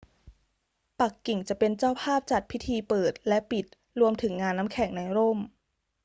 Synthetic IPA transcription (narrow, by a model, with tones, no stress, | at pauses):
pa˨˩kːi˨˩ŋt͡ɕa˨˩ʔpe˧nt͡ɕaː˥˩wpʰaː˥˩p̚t͡ɕa˨˩t̪̚pʰi˦˥t̪ʰiː˧pɤː˨˩t̪̚lɛ˦˥ʔpi˨˩t̪̚ | ɾu˧əmt̪ʰɯ˩˦ŋːaː˧nːa˦˥mkʰɛ˨˩˦ŋna˧jɾoː˥˩m